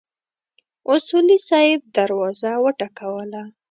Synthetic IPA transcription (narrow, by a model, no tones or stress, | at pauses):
ʊsulisɑɪb̚d̪aɾwɑzawəʈakawəla